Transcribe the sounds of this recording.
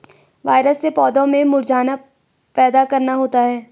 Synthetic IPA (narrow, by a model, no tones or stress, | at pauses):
ʋaːɪɾəsːepɔːd̪õmẽmʊɾd͡ʒaːna | pɛːd̪akɐɾnaɦoːt̪aɦɛː